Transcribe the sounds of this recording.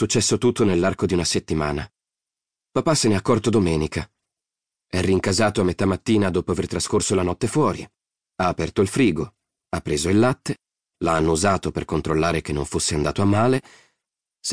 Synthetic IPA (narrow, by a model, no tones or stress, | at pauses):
sut͡ʃːɛsːot̪ut̪ːonelːarkod̪iunaset̪ːimaːna | papaseneakːɔrt̪od̪omɛːnikʰa | ɛrːiŋkazaːt̪oamːet̪amːat̪ːiːnad̪oːpoavert̪ɾaskorsolanɔt̪ːefwɔːɾi | aːpɛrt̪oilfɾiːɡo | apːɾeːzoilːat̪ːe | laanːouzaːt̪operkont̪ɾolːaːɾek̟enːoɱfosːeand̪aːt̪oamːaːle | s